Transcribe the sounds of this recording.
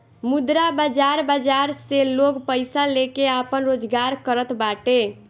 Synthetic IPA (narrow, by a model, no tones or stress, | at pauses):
mud̪ɾabad͡ʒaɾbad͡ʒaɾseloɡpəɪsalekeapənɾod͡ʒɡaɾkəɾət̪baʈe